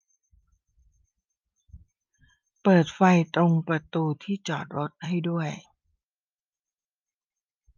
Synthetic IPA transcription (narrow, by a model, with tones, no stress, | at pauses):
pɤː˨˩t̪̚fa˧jt̪ɾo˧ŋpɾa˧t̪uː˧t̪ʰiː˥˩t͡ɕɔː˨˩t̪̚ɾo˦˥t̪̚ha˥˩jdu˥˩əj